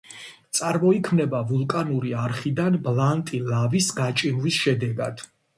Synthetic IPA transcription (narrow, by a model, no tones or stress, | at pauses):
t̪sʼaɾmɔikʰmnɛbavulˠkʼanuɾiaɾχid̪anblˠant̪ʼilavisɡat͡ʃʼimvisʃɛd̪ɛɡad̪̥